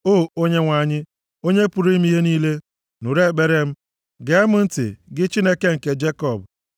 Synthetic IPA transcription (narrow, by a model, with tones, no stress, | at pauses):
o˦˨o˦ɲe˦ŋʷa˨ɲɪ˦ | o˦ɲe˦pu˨ɾi˦m˦i˦ɦe˦niː˦le˦ | nu˨ɾe˦˨k͡pe˦ɾe˦m̩˦ | ɡe˨˦mʊ˦n̩˦tɪ̰˨ɡɪ˦t͡ʃi˦ne˦ke˦ŋ̩˨ke˦d͡ʒe˦kɔ˦˨b